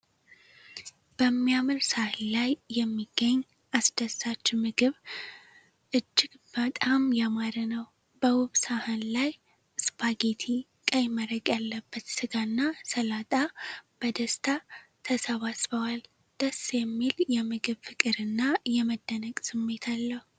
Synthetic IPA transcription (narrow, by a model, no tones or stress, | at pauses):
b̥əmːijamɨlsahɨnlajːɛmːiɡ̥ːəɲː | ʔasd̪̥əsːat͡ʃːmɨɡɨβ | ʔɨd͡ʒːɪɡb̥ət̪ʼamjamaɾənəw | b̥əwʊβsahɨnlaj | ɨspʰaɡet̪ʰi | kʼəjɪməɾəɡʼjalːəbːət̪sɨɡanːasəlat̪ʼab̥əd̪əst̪ʰat̪ʰəsəβasbəwal | d̪̥əsjɛmːiljɛmɨɡɨβfɨkʼɨɾɨnːajɛməd̪ːənəkʼsɨmːe̞t̪ʰalːəhu